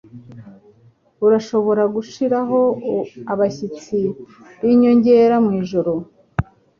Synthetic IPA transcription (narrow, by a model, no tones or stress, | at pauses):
uɾaʃo̞βo̞ɾaɡuʃiɾaɦo̞aβaçit͡si | βiɲo̞ɲɟe̞ːɾamŋiːʒo̞ɾo̞